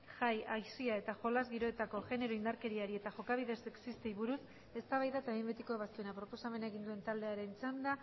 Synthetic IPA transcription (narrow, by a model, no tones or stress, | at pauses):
ʝajajsiae̞t̪aʝo̞lazɣiɾo̞et̪ako̞ʝe̞ne̞ɾo̞ind̪aɾke̞ɾiaɾie̞t̪aʝo̞kaβ̞iðe̞seksist̪ejβuɾus | e̞st̪aβajðat̪aimbet̪ikoβast̪ue̞napɾo̞po̞same̞nae̞ɣ̞ind̪ue̞nt̪ald̪e̞aɾe̞nt͡sand̪a